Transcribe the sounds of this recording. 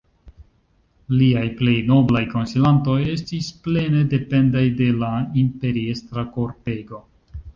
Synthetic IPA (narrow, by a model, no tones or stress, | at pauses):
liajple̞jno̞blajko̞nsilanto̞je̞stisple̞ne̞de̞pe̞ndajde̞laimpe̞ɾie̞stɾako̞ɾpe̞ɡo̞